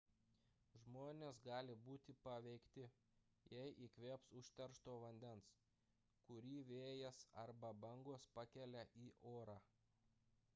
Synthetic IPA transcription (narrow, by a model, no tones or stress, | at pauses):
ʒmoːnʲeːsɡɑːlʲɪbuːt̪ʲɪpɐʋʲɛɪkt̪ʲɪ | jɛɪʔiːkʋʲeːpsʊʃʲt̪ʲɛɾʃt̪oːʋɐnʲd̪ʲɛns | kʊɾʲiːʋʲeːjɛsɐɾbɐbɐŋɡoːspɐkʲɛlʲɛʔiːʔoːɾɑː